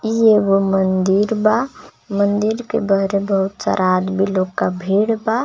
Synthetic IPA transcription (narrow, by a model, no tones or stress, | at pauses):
ijebomənd̪iɾba | mənd̪iɾkḛbaɾebəɦut̪sa̰ɾʔad̪bʱiloːɡkabʱeɽba